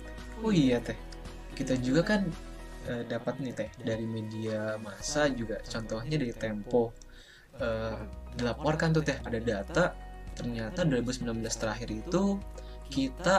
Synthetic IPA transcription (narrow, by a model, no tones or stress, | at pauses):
oijat̪ɛh | kit̪ad͡ʒuɡakan | ʔəːdapat̪̚nɪt̪ɛhdaɾimediamasad͡ʒuɡat͡ʃɔnt̪ɔhɲadaɾit̪ɛmpɔ | əːdilapɔrkant̪̬ut̪ɛhadadat̪at̪ərɲat̪aduaɾibusəmbilamblast̪əɾaɦɪɾit̪ukit̪a